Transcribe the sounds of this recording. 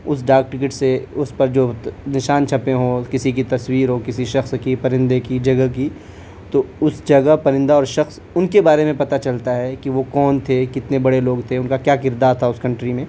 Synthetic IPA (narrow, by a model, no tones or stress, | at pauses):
ʊsɖaːk̚ʈɪk̬ɪʈseʊspɐɾd͡ʒoːnɪʃaːnt͡ʃʰɐpẽɦõːkɪsik̬it̪ɐswiːɾɦokɪsiʃɐxskipɐɾɪ̃nd̪ekid͡ʒɐɡəki | t̪oʊsd͡ʒɐɡəɦpɐɾɪ̃nd̪aɔːɾʃɐxs | ʊnkebaːɾemẽpɐt̪at͡ʃɐlt̪aɦɛkiʋokɔːnt̪ʰekɪt̪nebɐɽeloːɡt̪ʰeʊnkakjaːkɪɾd̪aːɾt̪ʰaʊskɐ̃ɳʈɾimẽː